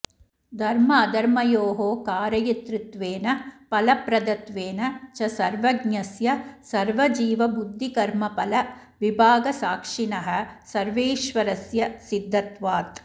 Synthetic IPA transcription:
d̪ʱɐɾmɐɐd̪ɐɾmɐjoːɦoːkaːɾɐjɐt̪ɾit̪ʋeːnɐpɐlɐpɾɐd̪ɐt̪ʋeːnɐt͡ʃɐsɐɾʋɐɡɲɐsjɐsɐɾʋɐd͡ʒiːʋɐbud̪ʱːikɐɾmɐpɐlɐ | ʋibʱaːɡɐsaːkʂinɐɦɐ̆sɐɾʋeːʃʋɐɾɐsjɐsid̪ʱːɐt̪ʋaːt̪

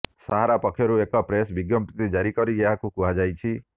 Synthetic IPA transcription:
saɦaɾapɔkʰːjɔɾuekɔpɾesbiɡjɔmpɾit̪id͡ʒaɾikɔɾieɦakukuɦad͡ʒajt͡ʃʰi

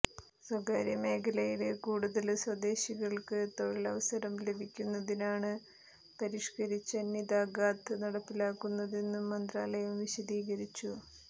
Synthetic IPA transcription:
swɐɡaːɾjɐme̞ːkʰɐlɐjilekuːɽuðɐlswɐd̪e̞ːɕiɣɐɭkɨt̪o̞ɻilɐʋɐsɐɾɐmle̞bʱikʲːunːɐðinaːɳɨ | pɐɾiʂkɐɾit͡ɕːɐnid̪aːɡaːt̪ɨnɐɽɐpːilaːkːunːɐðenːuːɐnd̪raːlɐjɐmʋiɕɐd̪iːɣɐɾit͡ɕːu

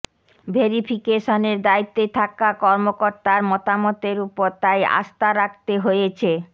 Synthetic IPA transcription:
bʱeɾipʰikeʃoneɾd̪ait̪ːot̪ʰakakɔɾmokoɾt̪aɾmɔt̪amɔt̪eɾupoɾt̪aja̰ʃt̪aɾak̚t̪eɦojet͡ɕʰe

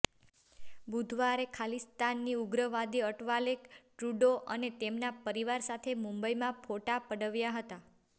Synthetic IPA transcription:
bud̪ʱʋaɾekʰalist̪anːiuɡɾəʋad̪iəʈʋalekʈɾuɖoʔə̰net̪emnapəɾiʋaɾsat̪ʰemũmbəjmãpʰoʈapəɽəʋjaɦət̪a

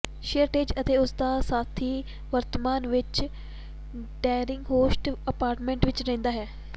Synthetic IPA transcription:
ʃeɾʈeːd͡ʒət̪eːʊsd̪aːsaːt̪ʰːiː | ʋəɾt̪əmaːnʋɪt͡ʃ | ɖaːɾɪŋɡɦoːsʈəpaːɾʈmẽːɳʈʋɪt͡ʃɾɛ̃ːnd̪aːɦɛː

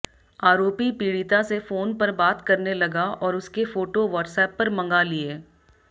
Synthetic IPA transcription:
aːɾoːpipiːɽit̪asefoːnpɐɾbaːt̪kɐɾnelɐɡaɔːɾʊskefoːʈoʋɔʈsɛːpːɐɾmɐ̃ŋɡalieː

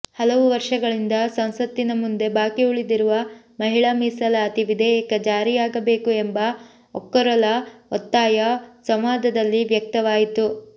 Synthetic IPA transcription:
hɐlɐʋuʋɐɾʂɐɡɐɭind̪ɐsɐnsɐt̪ːinɐmund̪e̞baːkiuɭid̪iɾuʋɐ | mɐɦiɭɐmisɐlɐːt̪iʋid̪ʱɛjɛkɐd͡ʒaːɾijaːɡɐbe̞ːkuembɐ | ɔkːɐɾɐlɐɔt̪ːaːjɐsɐmʋaːd̪ʱɐd̪ɐlːiʋjɐk̚t̪ɐʋaːjit̪u

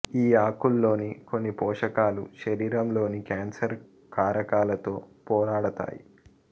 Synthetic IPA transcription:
iːaːkulːo̞ːniko̞nːipɔːʂɐkaːlṵʃɐɾiːɾɐmlo̞ːnikaːnsɐɾ | kaːɾɐkaːlɐt̪o̞ːpɔːɾaːɽɐt̪a̰ːjḭ

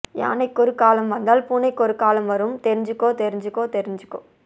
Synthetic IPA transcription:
ja̰ːnɐɪkːɔɾɯkːaːlɐmʋɐnd̪aːlpuːnɐɪkːɔɾɯkːaːlɐmʋɐɾɯmt̪ɛɾɪɲd͡ʒɯkːoːt̪ɛɾɪɲd͡ʒɯkːoːt̪ɛɾɪɲd͡ʒɯkːo̰ː

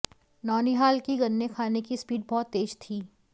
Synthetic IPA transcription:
nɔːniɦaːlkiɡɐnːekʰaːnekispiːɖ̚bɔːt̪ːeːd͡ʒt̪ʰiː

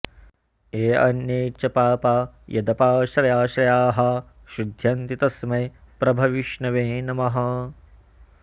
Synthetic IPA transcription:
eːɐ̰njeːt͡ʃɐpaːpaːjɐ̰d̪ɐpaːʃɾɐjaːʃɾɐjaːɦɐ | ʃud̪ʱjɐnt̪it̪ɐsmɐjpɾɐbʱɐʋiʃɳɐʋeːnɐmɐɦɐ

